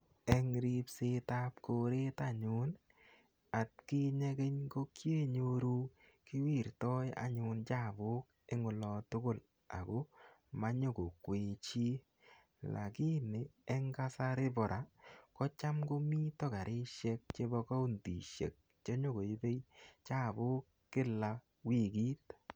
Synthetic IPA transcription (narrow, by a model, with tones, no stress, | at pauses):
ɛ˦ŋɾi˦pse˦ta˦p̚ko˨ɾe˦ta˦˨ɲʊ˦n | a˨t̚kɪ˦ɲe˦ke˦ɲko˦kje˦ɲo˦ɾu˦ | kɪ˦wi˦˨ɾtɔ˦ja̰˦ɲʊ˨nt͡ʃa˦˨bʊ˦k̚ | e˦ŋʊ˨lɔ˨˧tʊ˦kʊ˦˨l | a̰˨ɡo˦ | ma˦ɲo˦ko˨kwe˨t͡ʃi˦ | la̰˨kɪ˦nɪ˨ɛ˦ŋɡa˦sa˦ɾɪ˦bɔ˨ɾʔa˨kɔ˦t͡ʃa˦mɡo˦mi˦tɔ˦ka˨ɾʔɪ˦ʃe˦k̚t͡ʃe˦bɔ˧ka˦u˦ndḭ˨ʃḛ˨k̚ | t͡ʃe˦ɲo˦ɡo˨i˦be˦jt͡ʃa˦˨bʊ˦kːɪ˦la˧ | wi˨ɡi˦t̚